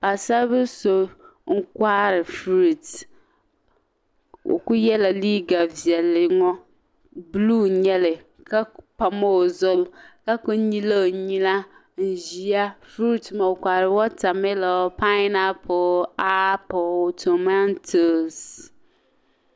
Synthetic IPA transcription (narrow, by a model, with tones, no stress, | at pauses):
a˨sa˦be˦so˦ | ŋ̩˦kwa˦ɾɪ˨fɾu˦˨t | wʔo̰˨ku˦jɛ˦la˨li˦ɡa˨vi˨ɛ˨lɪ˨ŋɔ˦ | blu˦ɲɛ˦lɪ˨ | ka˦pa˨mo˦˨zʊ˦lka˦ko˦ɲĩ˦le˦˨ɲĩ˦la˦ | ŋ̩˨ʒi˨a˦fɾu˦tma˨wo˨kʷa˨ɾɪ˨wɔ˦ta˨me˦la˨˦pa˦ɪ˦na˦pʰɔ˨a˦pɔ˨tʰo˨ma˦ntʰo˨s